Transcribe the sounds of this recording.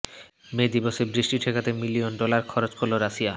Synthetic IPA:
med̪ibosebɾiʃʈiʈʰekat̪emilionɖolaɾkʰɔɾot͡ɕkʰolːoɾaʃia

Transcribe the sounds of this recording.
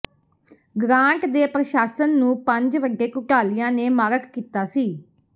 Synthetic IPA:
ɡɾãːɳʈd̪eːpɾəʃaːsənːũːpəɲd͡ʒʋəɡeːkʊʈaːlijãːneːmaːɾəkkiːt̪aːsiː

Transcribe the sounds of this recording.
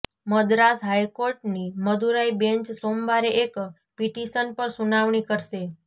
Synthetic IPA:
məd̪ɾasɦajkoɾʈniməd̪ʱuɾaibẽɲt͡ʃsombaɾeʔek | piʈiʃənpəɾsunaʋɳ̃ikəɾʃe

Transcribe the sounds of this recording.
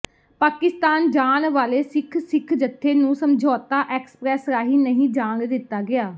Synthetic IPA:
paːkɪst̪aːnd͡ʒaːnʋaːleːsɪkʰsɪkʰd͡ʒət̪ʰːeːnũːsəmd͡ʒʱɔːt̪aːʔɛːksə̥pɾɛːsɾaːɦiːnəɦĩːd͡ʒaːnd̪ɪt̪ːaːɡɪaː

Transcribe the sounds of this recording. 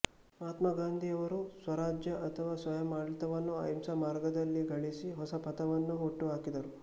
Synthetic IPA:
mɦaːt̪mɐɡaːnd̪ʱijɐʋɐɾusʋɐɾaːd͡ʒjɐʔɐt̪ʰɐʋaːsʋɐjɐmːaːɽit̪ɐʋɐnːua̰imsɐmaːɾɡɐd̪ɐlːiɡɐɭisiɦɔsɐpɐt̪ɐʋɐnːuɦoʈːuɦaːkid̪ɐɾu

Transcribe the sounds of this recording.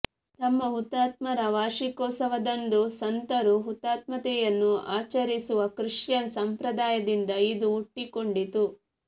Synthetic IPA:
t̪ɐmːɐɦut̪ːaːt̪mɐɾɐʋaːʃikɔːsɐʋɐd̪ɐnd̪usɐnt̪ɐɾuɦut̪ːaːt̪mɐt̪ɛjɐnːuaːt͡ʃɐɾisuʋɐkɾiʂjɐnsɐmpɾɐd̪aːjɐd̪ind̪ɐid̪uːʈːikoɳɖit̪u

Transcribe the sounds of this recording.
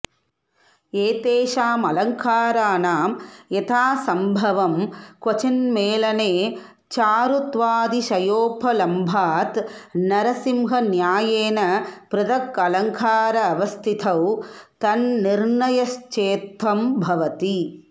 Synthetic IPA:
eːt̪eːʃaːmɐlɐŋkaːɾaːnaːmet̪ʰaːsɐmbʱɐʋɐmkʋɐt͡ʃɐnmeːlɐneː | t͡ʃaːɾut̪ʋaːd̪iʃɐjoːpʰɐlɐmbʱaːt̪nɐɾɐsimɦɐnjaːjeːnɐpɾɐd̪ɐkɐlɐŋkʰaːɾɐːʋɐst̪ʰit̪ʰɐwt̪ɐnːiɾɳɐjɐʃt͡ʃeːt̪ʋɐmbʱɐʋɐt̪i

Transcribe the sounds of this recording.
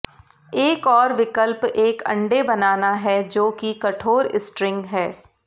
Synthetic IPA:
eːkɔːɾʋɪkəlpeːkɐ̰̃ɳɖebɐnaːnaɦɛd͡ʒoːkikɐʈʰoːɾɪsʈɾɪ̃ŋɡɦɛː

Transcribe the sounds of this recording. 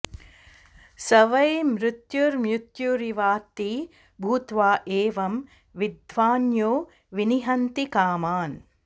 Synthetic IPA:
sɐʋɐjmɾut̪juɾmjut̪juɾiʋaːt̪i | bʱuːt̪ʋaːʔeːʋɐm | ʋid̪ʋaːnjoː | ʋiniɦɐnt̪ikaːmaːn

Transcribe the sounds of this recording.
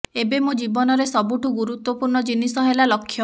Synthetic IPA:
ebemud͡ʒibɔnɔɾesɔbuʈuɡuɾut̪wɔpuɾɳɔd͡ʒinisɔɦelalɔkʰːjɔ

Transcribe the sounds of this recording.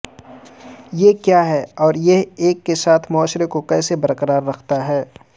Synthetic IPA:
jekjaːɦɛɔːɾjeɦeːkːesaːt̪ʰmʊaːʃɾekokɛːsebɐɾqəɾaːɾːɐkʰt̪aɦɛː

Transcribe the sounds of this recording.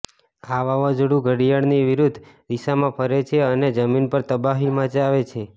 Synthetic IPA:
aʋaʋəd͡ʒɽũɡʱəɽijaɽniʋɪɾud̪ʱːd̪isamãpʰəɾet͡ʃʰeəned͡ʒəminpəɾt̪əbaɦimãd͡ʒaʋet͡ʃʰe

